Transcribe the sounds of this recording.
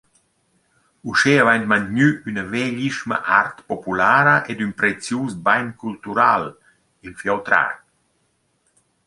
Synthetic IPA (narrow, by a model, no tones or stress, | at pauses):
uʃeːavajnt̪mant̪ɲyynəvɛʎiʃma̰ʔaɾt̪pɔpulaːɾəʔɛd̪ynpɾɛt͡sjuːsbajnkult̪uɾal | ilfjawt̪ɾa̰